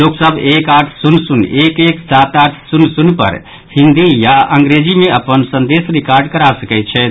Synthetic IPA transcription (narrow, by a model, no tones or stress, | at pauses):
loksəbʱekaɾʈ̪ʰsunsunekeksat̪aɾʈ̪ʰsunsunpə̰ɾ | hĩnd̪ijaʔəŋɡɾed͡ʒimeəpənsənd̪esɾikaɾɖkəɾasəkɛt̪t͡ʃʰɛ